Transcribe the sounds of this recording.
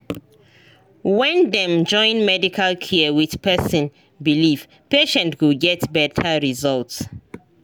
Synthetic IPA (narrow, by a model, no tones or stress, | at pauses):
wɛ̃ndɛ̃md͡ʒɔ̃ɪ̃nmɛdikʰalkʰɛəwið̥pɛsĩn | biliv̥ | peʃɛ̃ntwuɡɛtbɛtʰaɹizɔlts